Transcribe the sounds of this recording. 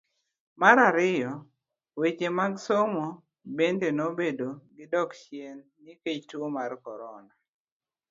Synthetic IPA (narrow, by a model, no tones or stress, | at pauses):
maɾaɾɪjɔ | wet͡ʃemaɡsomo | bendenobedoɡɪdɔkʃjenːiket͡ʃtomarkɔɾɔna